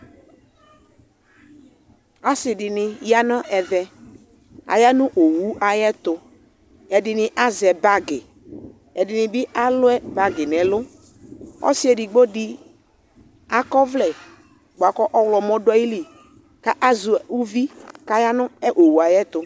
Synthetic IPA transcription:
a˦sɪ˨dɪ˨nɪ˨ja˦nã˦ʔɛ˨ðɛ˨ | a̰˨ja˦nʊ̃˦ʔo˨wu˨˦a˨jɛ˦t̪ʊ˨ | ɛ˨dɪ˨nɪ̃˨ʔa˦zɛ˨ba˦ɡɪ˨ | ɛ˨dɪ˨nɪ̃˨bɪ˦ʔa˦lʊ˦ɛ˦ba˦ɡɪ˨nɛ̃˨lʊ˦ | ɔ̰˦sɪ˦ɛ˨dɪ˨ɡ͡bo˦dɪ˦ | a˦kɔ˦vlɛ˨ | ɡ͡ba˨kɔ˦ʔɔ˦wlɔ˨mɔ̃˦da˦ji˦li˨ | ka˦ʔa˦zu˨u˦vi˦ka˦ja˦nʊ̃˦ɛ˦ʔo˨wu˨a˨jɛ˦t̪ʊ˨

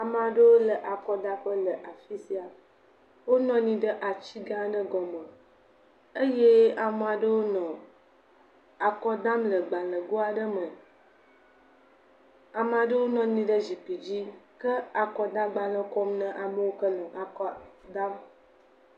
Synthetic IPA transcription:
a˨mə˨a˨ɖə˦wo˦lə˨ʔa˨kɔ˦d̪a˦ɸə˦lə˨ʔa˨fi˦si˦a˨ | wo˦nɔ̃˦nĩ˦ɖə˦ʔa˨t͡ɕi˦ɡã˦ɖə˦ɡɔ˨mə̃˨ | e˦je˦a˨mə˨a˨ɖə˦wo˦nɔ̃˨ | a˨kɔ˦d̪a˦mlə˨ɡ͡ba˨lə̃˨ɡo˦a˨ɖə˦mə̃˨ | a˨mə˨a˨ɖə˦wo˦nɔ̃˨nĩ˦ɖə˦zi˨pi˨d͡ʑi˦kə˦a˨kɔ˦d̪a˦ɡ͡ba˨lə̃˦kɔ˦mnə̃˦ʔa˨mə˦wo˦kə˦lɔ̃˨ʔa˨kɔ˦d̪a˦m

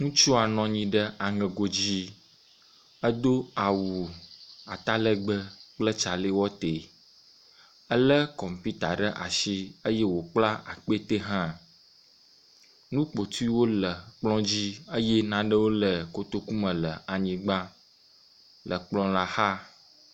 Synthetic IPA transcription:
ŋũ˦t͡ʃu˦a˨nɔ̃˨ɲĩ˨ɖə˦a˨ŋə˨ɡo˨d͡ʑi˦ | ə˦d̪o˦a˨wu˨a˨t̪a˦lə˦ɡ͡bə˦k͡plə˦t͡ʃa˨le˦wɔ˦t̪e˨ | ə˦lə˦kɔ˨m˨pi˦t̪a˨ɖə˦ʔa˨ʃi˦ə˦je˦wo˨k͡pla˦a̰˨k͡pe˦t̪e˦ɦã˦ | nũ˦k͡po˨t̪u˦i˦wo˦lə˨k͡plɔ̃˦d͡ʑi˦ə˦je˦nã˨ɖə˦wo˦lə˨ko˨t̪o˦ku˦mə̃˨lə˨a˨ɲĩ˨ɡ͡ba˦ | lʔə˨k͡plɔ̃˦la˦ha˦

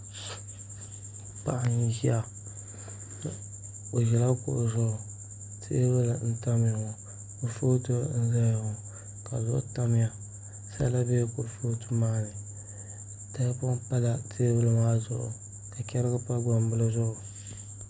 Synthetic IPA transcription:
pa̰˨ʔa˨ni˨ʒi˦a˨ | o˨ʒɛ˨la˦kʊ̰˨ʔʊ˨zʊ˦ʔʊ˨ | tʰe˦bɨ˦lɨ˨n̩˦ta˦mɪ˦ja˨ŋʊ˨ | kʊ˦foː˦tɨ˦n̩˦za˦˨ŋ˨ | ka̰˨zʊ̰˦ʔʊ̰˦ta˦mɪ˦ja˨ | sa˦la˦be˦kʊ˨ɾfoː˦tu˦maː˦nɨ˨ | da˦kʊ˦pa˦la˨tʰeː˦bɨ˦lɨ˨ŋa˦zʊ̰˨ʔʊ̰˨ | ka˨kʲɛ˦ɾɨ˦ɡɨ˦pa˦ɡɔ˨m˦bɨ˦lɨ˦zʊ˦ʔʊ˨

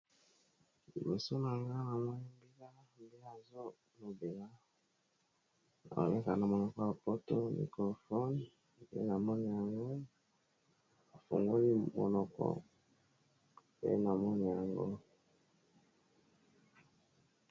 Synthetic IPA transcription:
ḭ˨me˨so˦na˨ŋɡa˦na˨mo˦ni˦mbi˦la˦ | m˨be˦a˨zo˦ | no˨be˨la˦ | na̰˨o̰˨me˦ka˨na˨mɔ˨nɔ˨kɔ˦a˨po˦to˦mḭ˨kɔ˨fɔ˦n˨ | bḛ˦na˨mɔ˦ni˨ja˨ŋɡo˦ | a˨fo̰˨ŋɡo˦li˦mɔ̰˨nɔ˨kɔ̰˦ | bḛ˦na˨mɔ˦ni˨ja˨ŋɡo˦

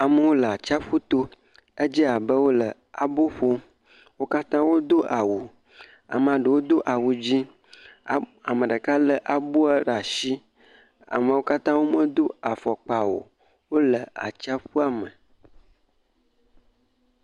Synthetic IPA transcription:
a˨mə˨wo˦lə˨a˨t͡ʃa˦ɸu˦t̪o˦ | e˦d͡ʒi˦a˨bə˦wo˦lə˨ | a˨bo˦ɸo˦ | wo˦ka˦t̪ã˦wo˦d̪o˦ʔa˨wu˨ | a̰˨mə˨a˨ɖə˨wo˦d̪o˦ʔa˨wu˨d͡ʑi˦˨ | a˨mə̃˨ɖə˨ka˦lə˦ʔa˨bo˦a˦ɖa˨ʃi˦ | a̰˨mə̃˨wo˦ka˦t̪ã˦wo˦mə˦d̪o˦a˨fɔ˨k͡pa˨wo̰˨ | wo˦lə˨a̰˨t͡ʃa˦ɸu˦a˨mə˨

